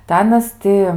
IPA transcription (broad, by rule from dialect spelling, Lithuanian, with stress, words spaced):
tɐɪ ˈɑːnɐs ˈtʲɪ